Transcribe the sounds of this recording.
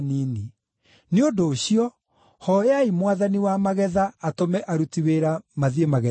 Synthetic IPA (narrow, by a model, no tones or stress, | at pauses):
nini | neodoːɕiɔ | hɔjeaimwaðaniwamaɣɛðaːtomɛʔaɾutiweɾamaðiemaɣɛ